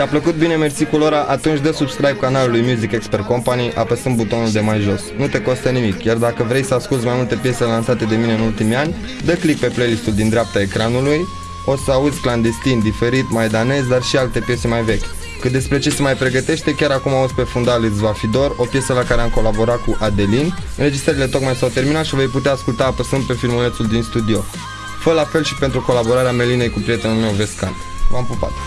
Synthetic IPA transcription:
apləkut̪̚bine̞me̞rsikulo̞ɾaʔat̪unt͡ʃʲd̪əsubskɾajb̚kanalulujmjuzikeksperko̞mpaniʔapəsɨn̚but̪o̞nuld̪e̞majʒo̞snut̪e̞ko̞st̪ənimikjard̪akəvɾe̞jsəaskult̪sʲmajmult̪e̞pje̞selansat̪e̞d̪e̞mine̞ɨnult̪imianʲ | d̪əklik̚pe̞plejlist̪uld̪ind̪ɾeap̚t̪ae̞kɾanuluj | o̞səaud̪zʲkland̪e̞st̪ind̪ife̞ɾit̪majd̪ane̞sd̪arʃialt̪e̞pje̞semajve̞kʲ | kɨt̪̚d̪e̞spɾe̞t͡ʃe̞semajpɾe̞ɡət̪e̞ʃt̪e̞kʲaɾakumavost̪pe̞fund̪alɨzvafid̪o̞ro̞pje̞səlakaɾeamko̞labo̞ɾat̪̚kuʔad̪e̞linɨnɾe̞d͡ʒist̪ɾəɾile̞t̪o̞kmajsawt̪e̞rminat̪ʃive̞jput̪̬eaːskult̪apəsɨn̚pe̞filmule̞t̪suld̪inst̪ud̪io̞ | fəəlafe̞lʃi̥pe̞nt̪ɾuko̞labo̞ɾaɾeame̞line̞jkupɾije̞t̪e̞nulme̞wve̞ska̰noampupa̰t̪

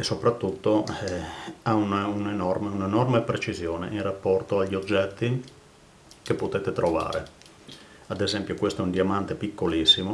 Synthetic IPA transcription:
esːopɾat̪ːut̪ːo | aunaunenɔrmeunenɔrmepɾet͡ʃizjoːnḛʔinrapːɔrt̪oaʎːiod͡ʒːɛt̪ːi | kepːot̪eːt̪et̪ɾova̰ːɾḛ | ad̪ezɛmpjokwest̪oɛund̪iamant̪epikːolisːimo

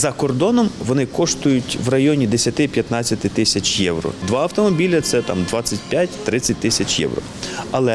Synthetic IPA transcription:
zɐkɔrd̪ɔnɔmʋɔnɪkɔʃt̪ʊjʊtʲʋrɐjɔnʲid̪esʲɐt̪ɪpʲjɐt̪nɑt͡sʲːɐt̪ɪt̪ɪsʲɐt͡ʃjɛwɾɔ̰d̪ʋɑɐwt̪ɔmɔbʲilʲɐt̪sɛt̪ɑ̰md̪ʋɑt͡sʲːɐt̚ʲpʲjatʲt̪ɾɪt͡sʲːɐt̚ʲt̪ɪsʲɐt͡ʃjɛ̰wɾɔ̰ɐlˠɛ

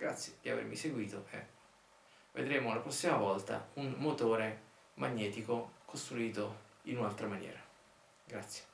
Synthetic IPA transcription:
ɡ̥ɾa̰t̪sjed̪iavḛrmiseɡwiːt̪oʔḛ | vḛd̪ɾeːmolapɾɔsːimavɔlt̪a̰unmot̪oːɾe | maɲːɛːt̪ikokʰost̪ɾuiːt̪o | inunalt̪ɾamanjɛ̰ːɾa | ɡɾat̪sːje̥

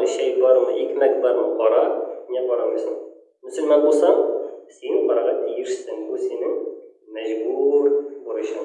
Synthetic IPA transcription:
ɤɕæjbɑɾmɤʔikmæk̚bɑɾmɤqɒɾɑnʲæbɒɾɑmisɤŋ | mɵ̆sɵ̆lmɑnbulˠsɑmsiqɒɾɑʁɑt̪ʰijɘʃsɘŋbʉsinɘŋ | mæʑbuɾbuɾɤ̆ɕɑm

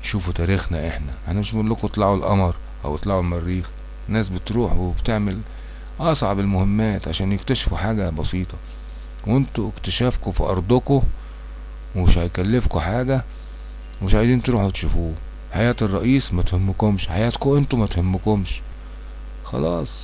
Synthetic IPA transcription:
ʃuːfut̪æːɾiːxnæʔeħnæʔeħnæmeʃlːokut̪ˤlɑʕulʔɑmɑɾˤ | ʔæ̰wʔt̪ˤlɑʕulmærːiːx | nːæːsbɪt̪ɾuːħwebt̪eʕmel | ʔɑsˤʕɑbɪlmʊhɪmːæːt̪ʕaʃæːnjɪkt̪æʃfuħaːɡæbɑsiːt̪ˤɑ | went̪oekt̪æʃæːfkofḭʔɑ̰ɾˤd̪ˤoko | wmeʃhæjkælːefkoħaːɡæ | wemɪʃʕajd̪iːnt̪ɾuːħwt̪ʃufuː | ħajæːt̪erˤːɑʔiːsmæt̪hemːokomʃħajæːt̪koʔent̪umæt̪hemːokomʃ | xɑ̰lɑːsˤ

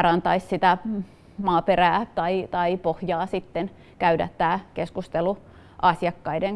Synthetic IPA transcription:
ɑrɑnt̪ɑissit̪æ | mɑːperæːt̪ɑit̪ɑipohjɑːsit̪ːen | kæydæ̰t̪ːæːkeskust̪elu | ʔɑsjɑkːɑideŋ

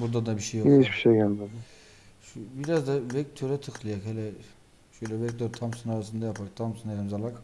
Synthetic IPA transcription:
buɾd̪ad̪abiʃejoit͡ʃbi̥ʃejɡælʲad̪ | ʃubiɾazd̪avɛk̚t̪ʰøɾɛt̪ʰɯxlˠɯjakhɛlʲɛ | ʃøjlʲɛvɛkt̪øɾt̪ʰamsɯnaɾasɯnd̪ajapʰak̚t̪ʰamsɯnelʲimzalˠak

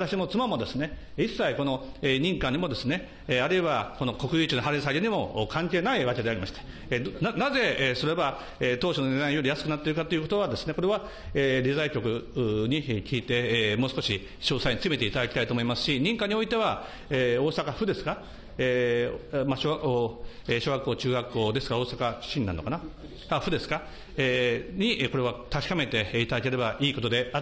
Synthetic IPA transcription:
βat̪aɕimo̞t͡sɨmamo̞d̪e̞sɨne̞isːaiko̞no̞eɲ̟ĩŋkaɲ̟imo̞d̪e̞sɨne̞ | aɾɯ̟eβako̞no̞ko̞kɯ̟jɯːt͡ɕɨnoɦaɾes̬aiɾʲiɲ̟imo̞ːkʰãŋke̞ːnaiβake̞d̪e̞aɾʲimaɕi̥t̪ḁ | naze̞eso̞ɾe̞ba | eːt̪oːɕonone̞d̪aĩjo̞ɾʲijasɨ̥kɯnat̪ːeiɾɯkat̪ːoiɯ̟kot̪oβad̪e̞sɨne̞ko̞ɾe̞βa | eɾʲizaikʲokɯ̟ɲ̟ikʲiːt̪e̞mo̞ːsɨ̥koɕi | ɕo̞ːsaiɲit͡sɨme̞t̪e̞it̪ad̪akʲi̥t̪ait̪oːmo̞imasɨ̥ɕiɲ̟ĩŋkaɲ̟io̞it̪e̞β̞a | eːo̞ːsakaɸɯ̟d̪e̞sɨ̥ka | e | maɕoo | eɕo̞ːɡakːo̞ːt͡ɕɨːɡakːo̞ːd̪e̞sɨ̥kao̞ːsakaɕĩnʲnanokana | aɸɯ̟d̪e̞sɨ̥ka | eɲ̟iʔko̞ɾe̞β̞at̪akʲi̥kame̞t̪e̞it̪ad̪ake̞ɾe̞baʔiːko̞t̪o̞d̪e̞a

